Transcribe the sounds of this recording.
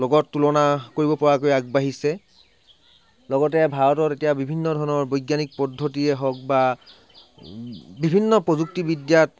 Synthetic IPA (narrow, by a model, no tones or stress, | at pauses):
lɔɡɔtːulɔnakoɹibɔpɔɹakojaɡ̚baɦisɛ | lɔɡɔtɛbʱaɹɔtɔtetijabibʱinːɔdʱɔɹnɔɹbojɡjanik̚pɔdʱːotiɛɦɔk̚ba | bibʱinːɔpɹɔzuk̚tibidjat̚